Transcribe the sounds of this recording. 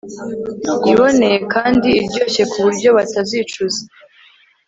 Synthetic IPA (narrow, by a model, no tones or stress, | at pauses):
iβo̞ne̞je̞kaːndiːɾɟo̞ːɕe̞kuβuɾɟo̞βataziːt͡ʃuze̥